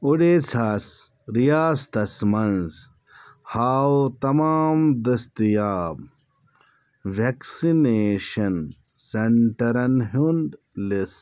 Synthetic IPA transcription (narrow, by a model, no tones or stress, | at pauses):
uɖet͡sʰas | ɾijaːst̪ɐsmɐnz | haːwt̪ɐmaːmd̪ɐst̪ijaːb | ʋeksineːʃɐn | sɐɳʈɐɾɐnɦunɖ | lis